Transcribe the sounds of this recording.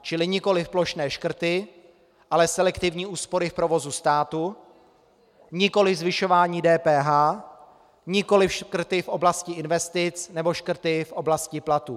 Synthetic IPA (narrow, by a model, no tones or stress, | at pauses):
t͡ʃɪlɪɲɪko̞lɪfplo̞ʃnɛːʃkr̩t̪ɪ | ʔalɛsɛlɛkt̪ɪvɲiːʔuːspo̞ɾɪfpɾo̞vo̞zust̪aːt̪u | ɲɪko̞lɪvzvɪʃo̞vaːɲiːdɛːpɛːɦaː | ɲɪko̞lɪfʃkr̩t̪ɪfʔo̞blascɪʔɪnvɛst̪ɪt͡snɛbo̞ʃkr̩t̪ɪfʔo̞blascɪplat̪ṵ